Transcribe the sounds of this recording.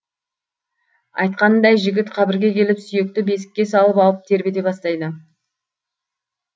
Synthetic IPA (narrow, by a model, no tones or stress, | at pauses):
ɑ̰jt̪̚qɑnd̪ɑjʒɪɡʲɪt̪qʰɑbɪɾɡʲe̞kʲʰe̞lɪpsʏje̞k̚t̪ɪbe̞sɪ̥kʲːe̞sɑlˠəpɑlˠəp̚t̪ʰe̞ɾbe̞d̪e̞pɑst̪ɑjd̪ə